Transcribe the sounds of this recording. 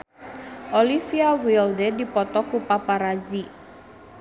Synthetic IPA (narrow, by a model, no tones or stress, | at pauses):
ʔolifiawildedipɔt̪ɔkupapaɾazi